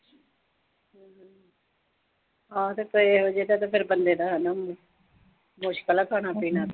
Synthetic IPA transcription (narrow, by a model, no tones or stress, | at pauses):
ɦãːt̪eːkoeɦod͡ʒeːt̪at̪epʰɪɾbənd̪eːd̪aːɦɛna | mʊʃkəlaːkʰaːñaːpiːnaːt̪ː